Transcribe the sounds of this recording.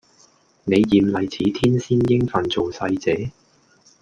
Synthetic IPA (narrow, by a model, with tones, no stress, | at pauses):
ne˨˧jːiː˨˧mlɐ˨jt͡sʰiː˨˥t̪ʰiː˥nsiː˥njɪ˥ŋfɐ˨nt͡so˨wsɐ˧jt͡sɛː˨˥